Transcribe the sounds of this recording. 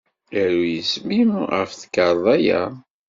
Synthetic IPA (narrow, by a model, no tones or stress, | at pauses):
æɾujəsmimæ̰fθə̥kɑɾˤðˤæjæ̰